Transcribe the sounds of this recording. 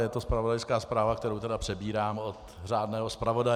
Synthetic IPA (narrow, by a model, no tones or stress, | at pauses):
jɛt̪o̞spɾavodajskaːspɾaːvakt̪ɛɾowt̪ɛdapr̝̥ɛbiːɾaːmot̪ | r̝aːdnɛːɦospɾavo̞da